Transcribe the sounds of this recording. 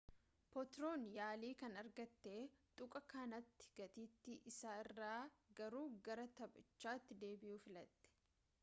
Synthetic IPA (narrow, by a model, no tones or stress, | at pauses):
pɔt̪ɾo̞ːnjaːliːkɐnɐɾɡɐt̪ːe̞ːt̪ʼʊkʼɐkaːnɐt̪ːɪ̥ɡ̥ɐt̪iːt̪ːɪʔɪsaːɪrːaːɡɐɾuːɡɐɾɐt̪ɐbɐ̰t͡ʃːaːt̪ːɪd̪e̞ːbɪjuːfɪlɐt̪ːɛ̥